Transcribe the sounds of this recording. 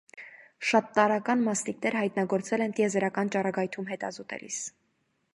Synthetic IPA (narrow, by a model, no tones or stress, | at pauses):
ʃɑt̪ːɑɾɑkɑnmɑst̪iknɛɾhɑjt̪nɑɡɔɾt͡sɛlɛnt̪ijɛzɛɾɑkɑnt͡ʃɑrɑɡɑjt̪ʰumɦɛt̪ɑzɔt̪ɛ̰lḭs